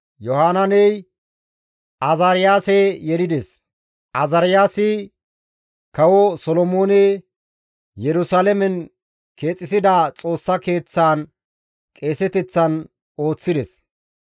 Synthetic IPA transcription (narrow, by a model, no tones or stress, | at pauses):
jɔhaːnɐnɛj | ɐzaɾɪjaːsɛejɛlɪd̪ɛs | ʔɐzɐɾɪjaːsɪ | kɐwɔsɔlɔmoːnɛ | jɛɾʊsaːlɛmɛn | ke̞ːt͡sʼːɪsɪd̪at͡sʼo̞ːsːɐke̞ːt͡sːaːn | kʼe̞ːsɛt̪ɛt͡sːɐn | o̞ːt͡sːɪd̪ɛs